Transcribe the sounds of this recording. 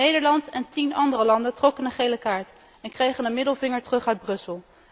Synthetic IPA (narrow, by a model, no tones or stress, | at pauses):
nejdəɹlɑntɛntinɑndərəlɑndəntrɔkənəχejləkaːɹt | ɛnkrejχənənmɪdəlˠvɪŋəɹtərɵχœɥd̚brɵsəlˠ